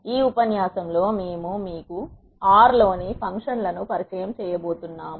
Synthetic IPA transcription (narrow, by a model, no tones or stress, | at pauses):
iːupɐnjaːsɐmlo̞ːmeːmumiːku | aːɾlo̞ːnipʰɐŋkʂɐnlɐnupɐɾikɾɛjɐmt͡ʃɛːjɐbo̞ːt̪unːaːmu